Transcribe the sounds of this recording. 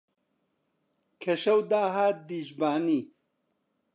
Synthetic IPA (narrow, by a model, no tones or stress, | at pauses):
kʰɐʃɐwd̪aːɦaːt̪̚d̪iːʒbaːniː